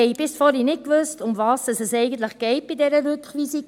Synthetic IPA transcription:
ɛɪb̥ɪsfɔɾinɪt̚kvʏstʊmvɑːsəsəsɛɪɡən̩tləχɡ̥ɛɪt̚b̥idɛɾəɾʉkχʋisik

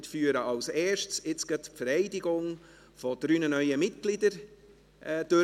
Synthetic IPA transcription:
tfyːɾəʔɑlsɛːʃtsɪt͡sɡ̥ɛtpfəɾɛɪdɪɡʊŋ | fɔd̥ɾyːnənœʏəmɪt̚ɡ̥lɪdəɾ | ʔd̥ø

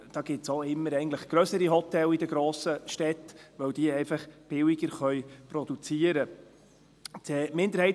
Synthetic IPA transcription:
d̥ɑːɡ̥ɪtsoɪmːəɾɛɪɡən̩tləχɡ̥ɾœsəɾiɦɔtːɛlid̥əɡɾoːsəʃtɛtʋœwd̥iːɛɪfɑχb̥ɪwɪɡəɾχœʏpɾɔd̥̪ut͡siəɾə | tɛmɪnd̪əɾhɛɪ

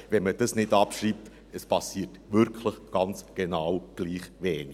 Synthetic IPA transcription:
vɛnməd̥əsnɪdɑpʃriːp̚t | əspʰɑsiːtvʏɾkʰləχɡ̥ɑnt͡sɡ̥enawɡ̥liːχvɛːni

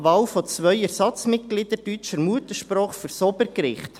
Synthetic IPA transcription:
ʋɑːwfɔt͡sʋœʏɛɾsɑt͡smɪt̚ɡlid̥̪ədyt͡ʃəɾmuət̪əʃpɾɔːχføɾsɔbəɾkɾɪχt

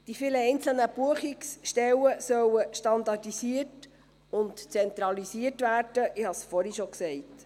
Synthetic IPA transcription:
d̥ifiːləɛjnt͡sl̩nəb̥uəχiksʃtɛwəsœwəʃtɑndɑdisiət | ʊntt͡sɛnt̪ɾɑlisiətvæːrd̥əʔɪhɑsfɔɾhiʃoksɛɪt

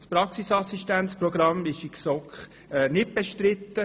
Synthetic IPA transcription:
spɾɑksisɑsiʃtænsprɔɡ̥ɾɑmɪʃɪksɔkχ | ɛːnɪt̚b̥eʃtɾɪt̪ːə

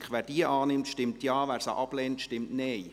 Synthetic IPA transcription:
kχʋæːɾd̥iəʔɑːnɪmtʃtɪmtjɑːvæːɾsa̰ʔɑb̥lɛːntʃtɪmtnɛj

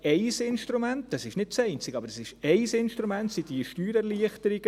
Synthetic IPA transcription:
ɛɪsɪnʃtɾumɛntd̥ɑsɪʃnɪd̚t͡sɛɪnt͡siɡ̥əɑbəɾɛsɪʃɛɪsɪnʃtɾumɛntsid̥iəʃtyːɾɛɾliəχtəɾiɡ̥ə

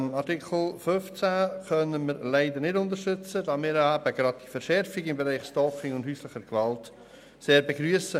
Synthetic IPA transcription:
nɑɾtɪkʰl̩føft͡sækœnəmɪɾlæɪd̪əɾnɪdʊntəɾʃʏt͡səd̥ɑːmɪːɾæbəɡ̥ɾɑd̚d̥ifəɾʃɛɾfɪɡɪmbeɾɛɪχstɔːkɪŋʊndhyːsləχəɾɡvɑlt | seːɾbeɡɾyəsə

